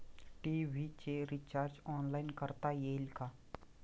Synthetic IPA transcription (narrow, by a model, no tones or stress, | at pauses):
ʈiːʋit͡ʃeːɾit͡ʃaːɾd͡ʒɔːnlaːɪnkəɾt̪ajeːlkaː